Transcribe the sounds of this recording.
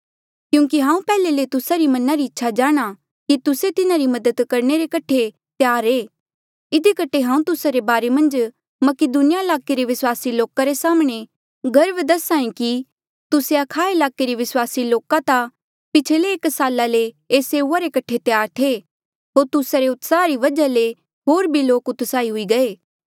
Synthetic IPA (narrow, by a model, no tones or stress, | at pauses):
kjũːk̬iɦãːũpɛːlelet̪ʊsaɾimɐnaɾiɪtːʃʰad͡ʒaːɽ̃a | kit̪ʊset̪ɪnaɾimɐd̪əd̪kɐɾɳ̃eɾekɐʈʰe | t̪ejaːɾeː | ɪd̪ʱikɐʈʰeɦãːũt̪ʊsaɾebaːɾemɐ̃nd͡ʒ | mɐkɪd̪unɪjaɪlaːkeɾeʋɪswaːsiloːkaɾesaːmɽ̃e | ɡɐɾəbd̪ɐsaːĩki | t̪ʊseɐkʰaːelaːkeɾiʋɪswaːsiloːkat̪a | pɪt͡ʃʰeleːksaːlaleː | seːuaɾekɐʈʰet̪jaːɾt̪ʰe | ɦoːɾt̪ʊsaɾeʊt̪saːɾiʋɐd͡ʒale | ɦoːɾbʱiloːkʊt̪saːiɦʊiɡɐeː